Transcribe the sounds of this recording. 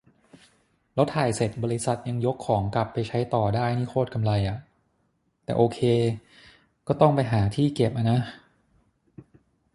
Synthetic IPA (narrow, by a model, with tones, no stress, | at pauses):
lo˦˥t̪ʰːaː˨˩jse˨˩t̪̚bɔː˧ɾi˦˥sa˨˩t̪̚ja˧ŋjo˦˥kʰːɔː˩˦ŋkla˨˩pːa˧jt͡ɕʰa˦˥jt̪ɔː˨˩daː˥˩jniː˥˩kʰoː˥˩t̪̚ka˧mla˧jʔa˨˩ | t̪ɛ̰ː˨˩ʔoː˧kʰeː˧ | kɔː˥˩t̪ɔ˥˩ŋpa˧jɦaː˩˦t̪ʰiː˥˩ke˨˩p̚ʔa˧na˦˥